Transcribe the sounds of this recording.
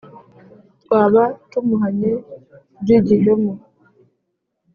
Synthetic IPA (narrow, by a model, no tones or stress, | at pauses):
waβatumuɦaɲe | d͡ʒiɟiɦemu